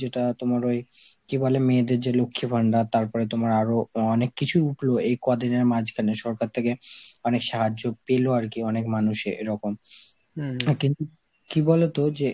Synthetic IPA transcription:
eʈat̪omaɾoekibalemeːd̪eɾd͡ʑelokʰːibʱaɳɖat̪aɾpɔɾet̪omaɾaɾoɔnekːit͡ɕʰuuʈʰloejkɔd̪ineɾmad͡ʑʱkʰaneʃɔɾkaɾt̪ʰekeɔnekʃaɦad͡ʑːopeloaɾkiɔnekmanuʃḛʔeɾɔkom | kint̪u | kibɔlet̪od͡ʑe

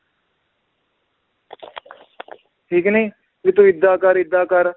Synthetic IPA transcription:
ʈʰiːkniː | ʋɪt̪uɪd̪ːaːkəɾɪd̪ːaːkəɾ

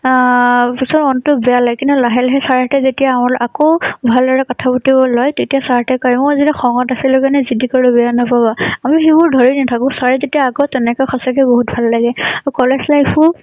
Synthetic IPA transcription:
pisɔɔntʊbɛjalaɡjkintulaɦɛlɦɛsaɹatɛzetijaːmalʔakowbʱaldɔɹɛkɔtʰabɔtibɔlɔjtetijasaɹatɛkɔjmɔazitɛxɔŋɔtasilʊkanɛzidikɔɹubɛjanɔpabaamixibuɹdʱɔɹinatʰakɔ̃saɹɛzetijaːɡɔtɛnɛkɔjxʰɔsakɛboɦut̚bʱalːaɡɛaɹukɔlɛslapu

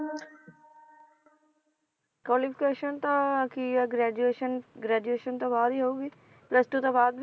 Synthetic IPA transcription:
kwɔːlɪpʰɪ̥keːʃənt̪ãkiɡɾɛːd͡ʒueːʃənɡɾɛːd͡ʒueːʃənt̪ãːbaːd̪iːɦouːɡiː | pləst̪ut̪ãbaːd̪ʋ

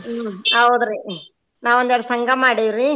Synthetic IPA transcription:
ɐwd̪ɾi | naːʋond̪ɛɽɐsɐŋɡɐmaːɽiʋɾi

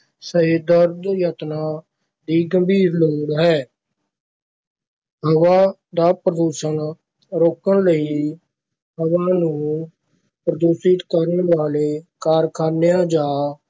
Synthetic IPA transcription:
səɦed̪əɾd̪jət̪naː | d̪iːɡəmbiːɾloːɽɦɛː | ɦəʋaː | d̪aːpɾəd̪uːʃən | ɾoːkənləiː | ɦəʋaːnũː | pɾəd̪uːsɪt̪kəɾənʋaːleːkaːɾkʰaːnejãːd͡ʒaː

